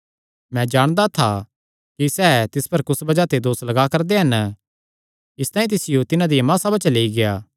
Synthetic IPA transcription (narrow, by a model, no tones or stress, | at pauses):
mɛ̃d͡ʒaːɽ̃d̪at̪ʰa | kisɛːt̪ɪspɐɾkʊsbɐd͡ʒat̪ed̪oːslɐɡakɐɾd̪eɦɐn | ɪst̪aːĩt̪ɪsɪjot̪ɪnãd̪ijɐmãːsabɐt͡ʃɐleːiɡejaː